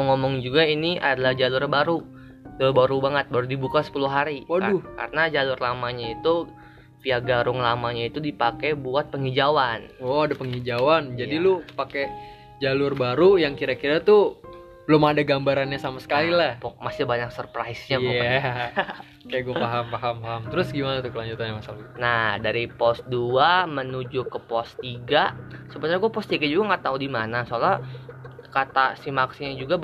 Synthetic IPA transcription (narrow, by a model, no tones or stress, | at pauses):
məŋomɔŋd͡ʒuɡainiʔa̰dalahd͡ʒalʊrbaɾu | d͡ʒalʊrbaɾubaŋət̪̚baɾudibukasə̥puluɦaɾiwaʊka̰ɾənad͡ʒalʊrlamaɲait̪u | piaɡaɾʊŋlamaɲait̪udipakebuat̪̚pəŋid͡ʒawanɔadapəŋid͡ʒawand͡ʒadilʊpake | d͡ʒalʊrbaɾujaŋkiɾakiɾat̪u | bəlʊmadaɡambaɾanɲasamasə̥kalilahpɔmasɪbaɲak̚sərpɾaisɲaa | kajaɡuafaɦampaɦampaɦamt̪ɾʊsɡimanat̪ʊkəlaɲd͡ʒut̪anamasalnahdaɾipɔsduamənud͡ʒukəpɔst̪iɡasəbənaɾaɡuapɔst̪iɡad͡ʒuɡaŋaʔt̪audimanasoala | kat̪asimaksiɲad͡ʒuɡa